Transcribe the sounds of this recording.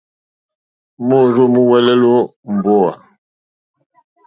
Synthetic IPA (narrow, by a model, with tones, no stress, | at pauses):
mo˦˨ɾo˦mu˦wɛ˦lɛ˦lo˦m̩˨bɔ˦a̰˨